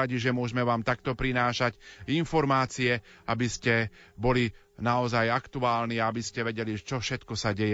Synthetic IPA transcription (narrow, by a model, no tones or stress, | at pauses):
aɟiʒɛmʊɔʒmɛʋaːmt̪akt̪ɔpɾinaːʃacinfɔɾmaːt͡siɛabiscɛbɔli | naɔzajakt̪uaːlniaabiscɛʋɛɟɛliʒɛt͡ʃɔfʃɛt̪kɔsaɟɛjɛ